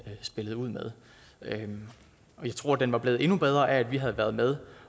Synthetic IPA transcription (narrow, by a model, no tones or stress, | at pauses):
sb̥e̝ləð̞̩ˠuð̰ˠmeð̞ˠ | ɒ̽jɑ̈ɪt͡sʰʁo̝ɐ̰d̥enʋɑ̈b̥le̝ːð̩ˠe̝nub̥eð̞ˠʁɐʔææd̥ʋiɦæð̞̩ˠʋæɐð̞̩ˠmeð̞ˠ